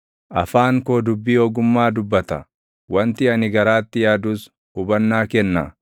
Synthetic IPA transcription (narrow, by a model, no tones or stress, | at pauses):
ʔɐ̰faːŋkoːd̪ʊbːiːɔːɡʊmːaːd̪ʊbːɐt̪ɐ | wɐnt̪ɪɐnɪɡɐɾaːt̪ːɪjaːd̪uːs | ʊbɐnːaːkɛnːɐ̰